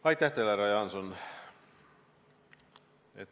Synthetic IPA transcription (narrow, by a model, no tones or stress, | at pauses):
ɑit̪æht̪ælæɾɑjɑnson | ḛt̪